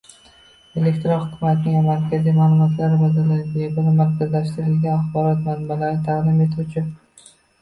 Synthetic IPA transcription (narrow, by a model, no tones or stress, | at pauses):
e̞lekʲt̪ɾonhʊkʲʰʊmat̪ɪnɪŋvamaɾkʲʰazijmaːlˠʊmɒt̪ʰlaɾɪbad̪alaɾɪɡʲabʊnɪmaɾt̪azlaʃt̪ɪɾɪlɡʲanaχbɒɾɒt̪manbalaɾɪt̪ʰaʁd̪ɪme̞t̪ʰut͡ʃʰɪ